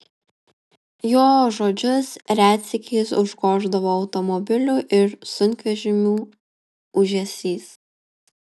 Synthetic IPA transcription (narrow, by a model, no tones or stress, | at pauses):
joːʒoːd͡ʒʲʊsɾʲæːt̪ʲsʲɪkʲʰeːsʊʒɡoːʒd̪ɐʋoːɒʊt̪ɔmɔbʲɪlʲuʔɪɾsʊnʲkʲʋʲɛʒʲɪmʲuː | ʊʒʲɛsʲiːs